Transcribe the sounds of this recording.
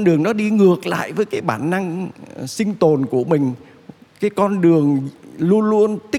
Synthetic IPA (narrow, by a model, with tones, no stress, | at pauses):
nɗɨ˨˩əŋɗɔ˨˦ɗi˧ŋɨ˨˩ək̚la̰ː˧˨jvəː˨˦jkaː˨˦jɓaː˧˩nːa˧ŋsï˧ŋ̟t̪o˨˩nku˧˩əmï˨˩ŋ̟ | kaː˨˦jkɔ˧nɗɨ˨˩əŋlu˧ənlu˧ənt̪ï˦˥